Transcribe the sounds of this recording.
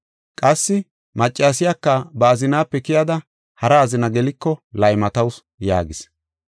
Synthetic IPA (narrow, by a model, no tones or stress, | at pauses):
kʼɐsːɪ | mɐt͡ʃʼːaːs̬ɪjakːɐbɐːzɪnaːpːɛkɪjɐd̪ɐ | hɐɾɐːzɪnɐɡɛlɪkːɔlɐjmɐt̪ɐws | ja̰ːɡɪs